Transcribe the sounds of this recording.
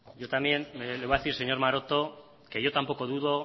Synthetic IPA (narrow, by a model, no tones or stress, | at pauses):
ʝo̞t̪amje̞nlejaðeθiɾse̞ɲo̞ɾmaɾo̞t̪o̞ | ke̞ʝo̞t̪ampo̞ko̞ðuðo̞